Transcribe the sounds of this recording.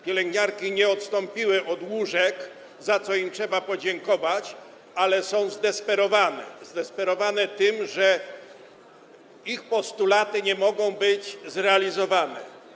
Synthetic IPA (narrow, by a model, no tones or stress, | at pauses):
pʲjɛlɛŋɡɲaɾkʲiɲɛɔt̪st̪ɔ̃mpʲiwɘʔɔd̪wuʐɛk | zat̪sɔimtʂɛbapɔd͡ʑɛŋkɔvat͡ɕ | alɛsɔ̃w̃zd̪ɛspɛɾɔvanɛzd̪ɛspɛɾɔvanɛt̪ɘmʐɛ | ixpɔst̪ulat̪ɘɲɛmɔɡɔ̃w̃bɘd͡ʑzɾɛalʲizɔvanɛ